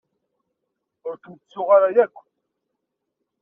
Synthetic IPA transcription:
ʊɾθəmt͡sːʊʁaɾajækʷː

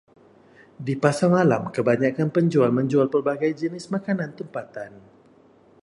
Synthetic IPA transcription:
dipasamalamkəbaɲakanpəɲd͡ʒualməɲd͡ʒualpərbaɡajd͡ʒənɪsmakanãnt̪əmpat̪an

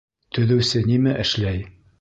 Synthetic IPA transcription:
t̪ɵ̆ðɘ̆wsɘnimæʔɘ̆ʃlæj

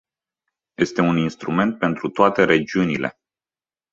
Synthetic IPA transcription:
je̞st̪e̞uninst̪ɾume̞nt̪̚pe̞nt̪ɾut̪oat̪e̞ɾe̞d͡ʒiunile̞̰

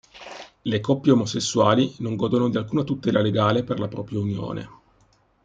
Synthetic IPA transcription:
lekɔpːjeomosesːuaːlinoŋɡɔːd̪onod̪ialkuːnat̪ut̪ɛːlaleɡaːleperlapɾɔːpɾjaunjo̰ːnʔḛ

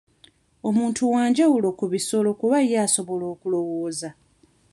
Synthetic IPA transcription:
o̞muːntʰuwaːɲɟawulo̞kuβiso̞lo̞kuβajaːso̞βo̞lo̞ːkulo̞woːza

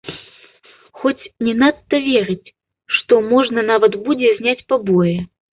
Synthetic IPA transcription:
xɔt͡sʲnʲɛnat̪ːɐvʲɛɾɨt͡sʲ | ʂt̪ɔmɔʐnɐn̪avɐt̪bud͡zʲɛzʲnʲat͡sʲpabɔjɛ

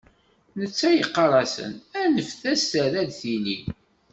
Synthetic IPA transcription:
nət͡sːæjiqːɑɾˤɑsə̰nænəfθæstæɾæd̪θinḭ

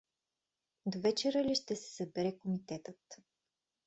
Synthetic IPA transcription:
d̪ovɛt͡ʃɛɾəliʃt̪ɛsɛ̥səbɛɾɛkomit̪ɛt̪ət̪

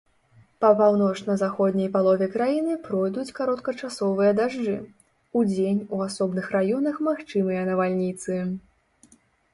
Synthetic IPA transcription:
pɐpawnɔt͡ʂnɐzaxɔd̪ʲnʲɐjpalˠɔvʲɛkɾajinɨpɾɔjd̪ut͡sʲkaɾɔt̪kɐt͡ʂasɔvɨjɐd̪aʐd͡ʐɨ | ud͡zʲenʲuasɔbnɨxrajɔnɐxmaxt͡ʂɨmɨjɐnɐvalʲnʲit̪sɨ

